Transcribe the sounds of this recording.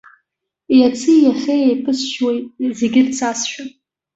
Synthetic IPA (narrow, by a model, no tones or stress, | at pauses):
iat͡sʰɨjaχʲejejpʰɨsʃwejtʼzeɡʲɪrt͡sʰasʃᶣa